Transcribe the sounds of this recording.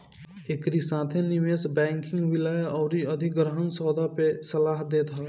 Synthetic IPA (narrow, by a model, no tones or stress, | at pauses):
ekɾisaːt̪ʰẽnimesbɛ̃ːŋkɪ̃ŋɡʋɪləjɔːɾiəd̪ʱikɡɾəɦənsɔːd̪ʱapesəlaːɦd̪eːt̪ɦə